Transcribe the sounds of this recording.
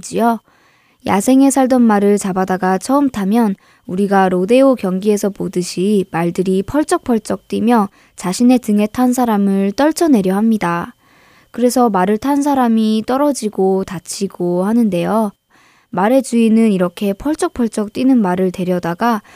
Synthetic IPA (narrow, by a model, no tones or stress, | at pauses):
d͡ʑijo | ja̰sʰe̞ŋe̞sʰaɭdʌnmaɾɯɭt͡ɕabadaɡat͡ɕʰʌɯmtʰamjʌn | uɾiɡaɾode̞okjʌŋɡie̞sʰʌpodɯɕʰimaɭdɯɾipʰʌɭt͡ɕ͈ʌk̚pʰʌɭt͡ɕ͈ʌk̚t͈wimjʌ | t͡ɕaɕʰine̞tɯŋe̞tʰans̬ʰaɾamɯɭt͈ʌɭt͡ɕʰʌne̞ɾjʌɦamɲida | kɯɾe̞sʰʌmaɾɯɭtʰans̬ʰaɾamit͈ʌɾʌd͡ʑiɡotat͡ɕʰiɡohanɯnde̞jo | maɾe̞d͡ʑuinɯniɾʌkʰe̞pʰʌɭt͡ɕ͈ʌk̚pʰʌɭt͡ɕ͈ʌk̚t͈winɯnmaɾɯɭte̞ɾjʌdaɡa